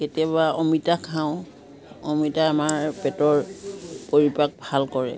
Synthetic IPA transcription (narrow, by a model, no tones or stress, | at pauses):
ketiabaɔmitakʰãʊ̃ | ɔmitaːmaɹpɛtɔɹpoɹipak̚bʱalkɔɹɛ̰